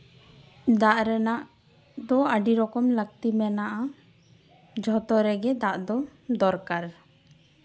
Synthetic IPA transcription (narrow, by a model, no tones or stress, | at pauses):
d̪aʔɾɛnaʔ | d̪ɔaɖiɾɔkɔmlək̚t̪imɛnaʔa | d͡ʒʱɔt̪ɔɾɛɡɛd̪aʔd̪ɔd̪ɔɾkaɾ